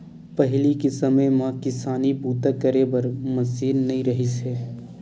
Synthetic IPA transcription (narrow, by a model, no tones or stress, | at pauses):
pɐɦlikɪsɐmejmãkɪsaːnipuːt̪əkːəɾebɐɾmɐsiːlnɐĩɾɐɦisɛː